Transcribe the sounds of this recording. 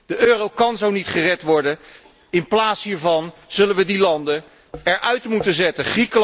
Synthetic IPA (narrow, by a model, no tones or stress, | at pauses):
d̥əʔøːrowkɑnzownitχərɛtʋɔɹdə | ɪnplaːtsɦiːɹvɑnz̥ɵlənʋədilɑndə | ɛɹʔœɥtmutənzɛtəχrikəl